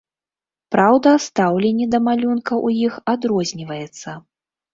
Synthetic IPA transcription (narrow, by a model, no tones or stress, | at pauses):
pɾawd̪ɐst̪awlʲenʲːɛd̪ɐmalʲunkɐʔujixad̪ɾɔzʲnʲivɐjɛt̪sːɐ